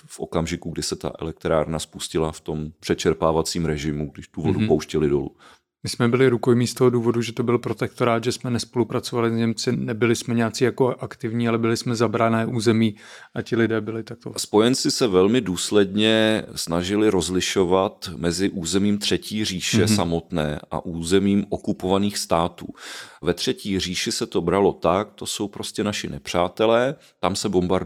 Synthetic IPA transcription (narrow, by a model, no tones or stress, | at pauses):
fʔo̞̰kamʒɪkuɡdɪsɛt̪a̰ʔɛ̰lɛk̚t̪ɾa̰ːɾnaspuscɪlaft̪o̞mpr̥ɛt͡ʃɛɾpaːvat͡siːmɾɛʒɪmuɡdɪʃd̥̪uvoduppowʃcɛlɪdo̞̰lṵ | mɪsmɛbɪlɪɾukojmiːst̪o̞ɦoduːvo̞duʒɛt̪o̞bɪlpɾo̞t̪ɛkt̪o̞ɾaːt̪ʒɛsmɛnɛspo̞lupɾat͡so̞valɪzɲɛmt͡sɪnɛbɪlɪsmɛɲaːt͡siːjako̞ʔakt̪ɪvɲiːalɛbɪlɪsmɛzabɾanɛːʔuːzɛmiːʔacɪlɪdɛːbɪlɪt̪ak̚t̪ospo̞jɛnt͡sɪsɛvɛlmɪduːslɛdɲɛsnaʒɪlɪɾo̞zlɪʃovat̪mɛzɪʔuːzɛmiːmt̪r̥ɛciːr̝iːʃɛsamo̞t̪nɛ̰ːʔʔa̰ʔuːzɛmiːmokupovaniːxst̪aːt̪ṵːvɛt̪r̝̥ɛciːr̝iːʃɪsɛt̪o̞bɾalo̞t̪ak̚t̪o̞so̞wpɾo̞scɛnaʃɪnɛpr̝̥aːt̪ɛlɛː | t̪amsɛbo̞mbaɾ